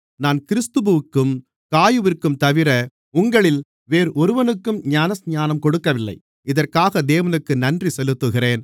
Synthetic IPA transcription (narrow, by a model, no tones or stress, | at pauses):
naːnkɪɾɯst̪ɯbɯɯkːɯm | kaːjɯʋɪrkːɯmt̪ɐʋɪɾɐ | ʊŋɡɐɭɪl | ʋeːɾʔɔɾɯʋɐnɯkːɯmɲaːnɐsɲaːnɐmkɔɽɯkːɐʋɪlːɐ̰ɪ | ɪðɐrkaːɣɐd̪eːʋɐnɯkːɯnɐndrisɛlɯt̪ːɯɣɪreːn